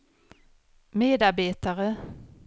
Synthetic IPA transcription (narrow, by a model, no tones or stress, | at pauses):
meːd̪aɾbeːt̪aɾə